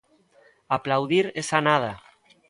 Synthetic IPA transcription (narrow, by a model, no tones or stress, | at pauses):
aplawðiɾesanað̞a